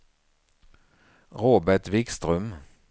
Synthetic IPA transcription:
ʁoːbæʈʋɪkst̪ʁʉm

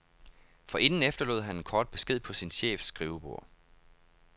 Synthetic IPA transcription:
fɒ̽ʔe̝nn̩efd̥ɐlo̝ð̰ˠɦæn̥̚kʰɒːd̥̚b̥e̝sɡ̥e̝ð̞̰ˠpʰɒ̽sinɕḛːfsɡ̥ʁiːʊb̥o̝̰ɐ̰

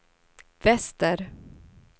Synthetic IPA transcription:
vɛst̪əɾ

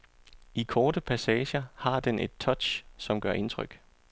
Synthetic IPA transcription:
ikʰɒːd̥əpʰæsɛːɕɐhɑ̈d̥enʔe̝d̥̚t͡sʰɒ̽d̥ɕsɒ̽mɡ̥ɶɐ̰ʔe̝nt͡sʰʁœɡ̥

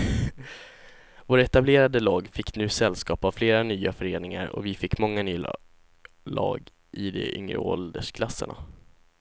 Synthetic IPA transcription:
voːɾɛt̪ableːɾad̪əlɑːɡfɪkʰːnʉ̟ːsɛlskɑːpavfleːɾanyːafœɾeːnɪŋaɾɔ̰vɪfɪkːmɔŋːanyː | lɑːɡ | ʔɪd̪ɛ̰ʏŋɾə̰ɔld̪əʂkʰlasːəɳa̰

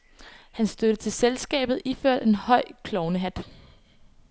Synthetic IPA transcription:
hænsd̥ød̥ət͡sʰe̝lselsɡ̥ɛ̰ːb̥ð̩ˠiføɐ̰d̥e̝nhɒ̽ɪ̰kʰlɒʊnəɦæd̥

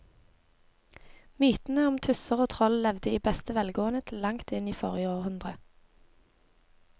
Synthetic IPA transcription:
myːt̪n̩əʊmt̪ʰʉsəʁoːt̪ʰʁɔllɛʋd̪əiːbɛst̪əʋɛlɡoːənət̪ʰɪlːɑŋt̪ɪniːfɔʁjəoːʁhʉnd̪ʁə

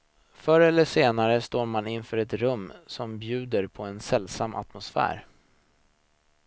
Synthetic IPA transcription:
fœɾəɛlːəʂeːnaɾəst̪oːɾmanɪnfœːɾɛt̪ɾɵmːsɔmbjʉ̟ːd̪əɾpʰɔɛnsɛlːsamːʔa̰t̪mʊsfæ̰ːɾ

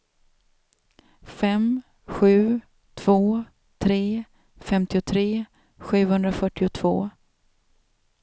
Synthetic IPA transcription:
fɛm | ɧʉ̟ː | t̪ʰv̥oː | t̪ʰɾeː | fɛmt̪ɪʊt̪ʰɾeː | ɧʉ̟ːhɵnd̪ɾafœʈːɪʊt̪ʰv̥o̰ː

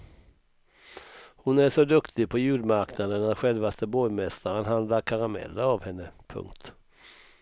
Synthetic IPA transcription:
hʊnæʂɔd̪ɵkt̪ʰɪɡ̚pʰɔjʉ̟ːd̪maɾknad̪ənːæɾɧɛlvast̪əbɔjmɛst̪aɾənɦand̪laɾkʰaɾamɛ̰lːəavhɛnːəpʰɵ̰ŋk̚t̪

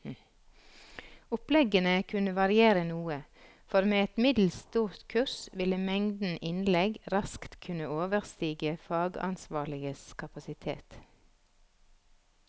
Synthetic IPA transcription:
ʊplɛɡənəkʰʉnəʋɑɾɪeːɾənuːə | fɔɾmeːɛt̪mɪd̪l̩st̪uːɾt̪kʰʉɾsʋɪləmɛŋd̪n̩ʔɪnlɛɡɾɑskt̪kʰʉnəoːʋəʁst̪iːɡəfɑːɡɑ̰nsʋɑːɭɪɡəskʰɑpɑsɪt̪ʰḛːt̪

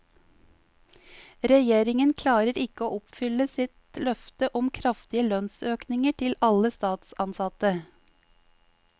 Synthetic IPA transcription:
ɾɛjeːɾɪŋənkʰlɑːɾəɾɪkəoːʔɔpfʏləsɪt̪lœft̪əʔɔmkʰɾɑft̪ɪəlœnsøːknɪŋəʈʰɪlɑləst̪ɑːt̪sɑnsɑt̪ə

